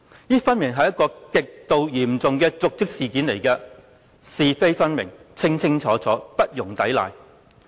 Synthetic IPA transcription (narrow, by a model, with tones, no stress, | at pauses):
jiː˥fɐ˥nmɪ˨˩ŋɦɐ˨jɐ˥t̚kːɔː˧kɪ˨k̚t̪o˨wjiː˨˩mt͡sʊ˨ŋkɛː˧t͡sʊ˨k̚t͡sɪ˥k̚siː˨kiː˨˥nle˨˩jkɛː˧ | siː˨fe˥jfɐ˥nmɪ˨˩ŋt͡sʰɪ˥ŋt͡sʰɪ˥ŋt͡sʰɔː˨˥t͡sʰɔː˨˥pɐ˥t̚jʊ˨˩ŋt̪ɐ˨˥jla̰ː˨j